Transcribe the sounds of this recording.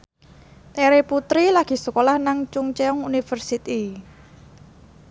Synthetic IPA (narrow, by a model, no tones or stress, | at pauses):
t̪eɾeput̪ɾilaɡ̥i̤sukolahnaŋt͡ʃuŋt͡ʃeɔŋunifərsit̪i